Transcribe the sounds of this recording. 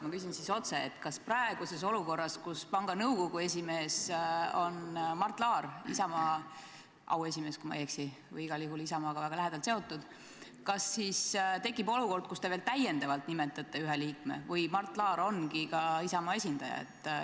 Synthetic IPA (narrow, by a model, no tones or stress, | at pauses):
mɑkys̬insiso̞t̪se̞et̪ːkɑsprɑe̞ɡ̥use̞s̬o̞luko̞rːɑskuspɑŋɡ̥ɑnɤwko̞ɡ̥ue̞s̬ʲime̞ːso̞nmɑrt̪ːˑlɑːrisɑmɑː | ʔɑ̰we̞s̬ʲime̞ːskumɑ̰jeksi | vɯ̰jiɡ̥ɑlihulisɑmɑːɡ̥ɑvæɡ̥ɑlæɦed̪ɑlt̪se̞o̞t̪ːˑud̪̥ | kɑsːist̪e̞kːˑibo̞luko̞rd̪̥̚kust̪e̞veːlt̪æjend̪ɑvɑlt̪nimet̪ːˑɑt̪ːe̞yɦeliːkmḛvɯjmɑrt̪ˑlɑːɾo̞nkikɑisɑmɑːe̞sʲind̪̥ɑjɑ̰ḛt̪ːˑ